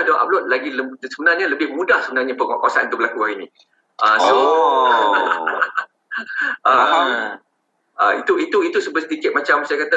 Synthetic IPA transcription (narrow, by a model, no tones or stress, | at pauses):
dɔʔa̰b̚lɔt̪̚laɡiləsəbənarɲaləbɪhmũdahsəbənarɲapəŋa̰ʔkawasant̪ʊk̚bəlakuaɾini | ʔəso | ʔə | əit̪uit̪uit̪usəbəsət̪ikɪt̪̚mat͡ʃamsajakat̪a